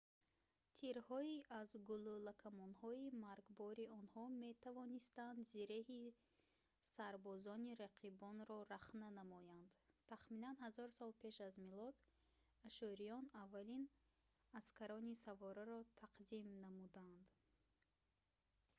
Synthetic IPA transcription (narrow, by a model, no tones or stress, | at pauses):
t̪ʰiɾhɔiʔazɡululakʰamɔnhɔimaɾɡbɔɾiɔnhɔme̞t̪ʰavɔnist̪and̪ziɾehi | saɾbɔzɔniɾaqʰibɔnɾɔɾaχnanamɔjand̪t̪ʰaχminanhazɔɾsɔlˠpʰe̞ʃazmilɔd̪ | aʃɔɾijɔnavːalin | askʰaɾɔnisavɔɾaɾɔt̪ʰaqd̪imnamud̪and̪